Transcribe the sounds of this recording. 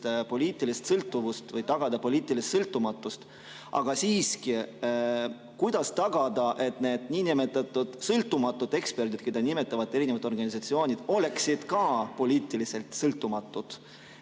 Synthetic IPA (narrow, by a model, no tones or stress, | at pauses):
t̪epo̞lʲiːt̪ːˑilist̪sɤlt̪ːˑuvust̪vɤjt̪ɑɡ̥ɑd̪̥ɑpo̞lʲiːt̪ːˑilist̪sɤlt̪ːˑumɑt̪ːˑust̪ | ʔɑ̰ɡ̥ɑsiːski | kujd̪̥ɑst̪ɑɡ̥ɑd̪̥ɑʔe̞t̪ne̞ːd̪̥nʲiːnimet̪ːˑɑt̪ːˑud̪̥sɤlt̪ːˑumɑt̪ːˑud̪̥e̞kspe̞rd̪id̪̥̚kejd̪ɑnʲime̞t̪ːˑɑvɑd̪ːˑe̞ɾinevɑt̪o̞rɡ̥ɑnʲisɑt̪sio̞ːnʲid̪̥o̞le̞ksid̪̥kɑpo̞lʲiːt̪ːˑilise̞lt̪sɤlt̪ˑːumɑt̪ːˑud̪̥